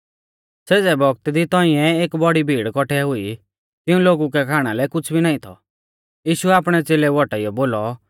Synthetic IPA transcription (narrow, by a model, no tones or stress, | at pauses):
seːd͡zɛbɔɡt̪d̪it̪ɔĩɛeːkbɔɽibʱiːɽkɔʈʰɛɦʊi | t̪ɪũloːɡuk̬ɛkʰaːɽ̃alɛkʊt͡sʰbʱinaːĩt̪ʰɔ̰ | jiːʃuɛaːpɽ̃ɛt͡seːlɛʋɔʈaijɔboːlɔ